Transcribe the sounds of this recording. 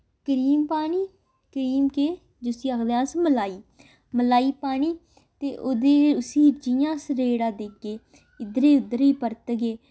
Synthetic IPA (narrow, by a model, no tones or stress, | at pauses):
kəɾiːmpaːniː | kəɾiːmkeː | d͡ʒʊsiːəkd̪eãːsməlaːiː | məlaːiːpaːñiː | t̪eːʔoːd̪eːʊsiːd͡ʒɪjãːsəɾeːɽãːd̪eːkːeː | ɪd̪əɾeːʊd̪əɾiːpəɾt̪ɡeː